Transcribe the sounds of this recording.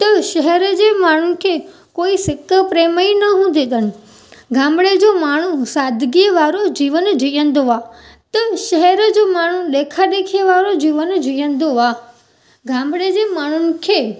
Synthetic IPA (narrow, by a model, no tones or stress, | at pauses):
t̪əʃəɦɛɾəd͡ʒemaːɳ̤un̆kʰe | koːisɪkːəpɾeːməinəɦũd̪ʱeɡ̪ən̆ | ɡʱãːmɽed͡ʒomaːɳ̤̃ũsaːd̪ʱɡiʋaːɾod͡ʒiʋənd͡ʒijə̃nd̪oʋat̪əʃəɦɛɾəd͡ʒomaːɳ̤ũɗekʰaɗ̪ekʰeʋaːɾod͡ʒiːʋənd͡ʒijə̃nd̪oʋa | ɡʱãːmbɽed͡ʑemaːɳ̤unɪ̆kʰe